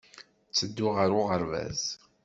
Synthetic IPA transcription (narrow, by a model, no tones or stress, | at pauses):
t͡sːəd̪ːʊʁəɾʊʁəɾvæ̰z